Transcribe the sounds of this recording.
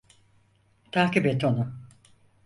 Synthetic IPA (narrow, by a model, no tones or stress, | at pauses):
t̪ʰaːkibet̪onu